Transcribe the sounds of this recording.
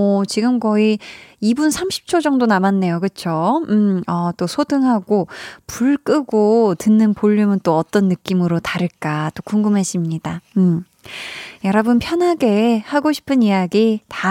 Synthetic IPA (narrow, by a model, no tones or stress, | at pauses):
ʌt͡ɕiɡɯmkʌiibunsʰamɕʰi̥p̚t͡ɕʰod͡ʑʌŋdonamanːe̞jokɯt͡ɕʰomʌt͈osʰodɯŋɦaɡopuɭk͈ɯɡotɯnːɯnpoʎːumɯnt͈oʌt͈ʌnːɯk͈imɯɾotaɾɯɭk͈at͈okuŋɡɯmɦeɕ͈ʰimɲidaɯm | jʌɾʌbɯnpʰjʌnɦaɡe̞haɡoɕʰi̥pʰɯnijaɡita